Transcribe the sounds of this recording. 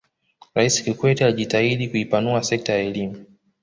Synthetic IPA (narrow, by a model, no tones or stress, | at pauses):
ɾaisi̥kikwɛtialiʄitaiɗikuipanuasɛk̚tajaɛlimu